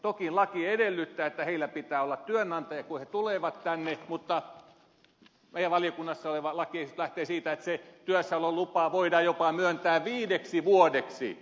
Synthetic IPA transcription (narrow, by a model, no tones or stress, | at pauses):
t̪okinlɑkiedelːyt̪ːæːet̪ːæheilːæpit̪æːolːɑt̪t̪yønːɑnt̪ɑjɑkuhet̪uleʋɑt̪t̪ænːemut̪ːɑ | meijæʋʋɑliokunːɑsːɑoleʋɑlɑkiesit̪læht̪eːsiːt̪æet̪set̪yøsːæololupɑːʋoidɑjopɑmyønt̪æːʋʋiːdeksiʋuodeksḭ